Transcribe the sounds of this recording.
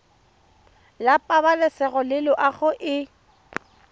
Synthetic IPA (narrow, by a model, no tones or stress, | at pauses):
lapʼabalɛsɛɣɔlɪlɔʔaɣʊʔɪ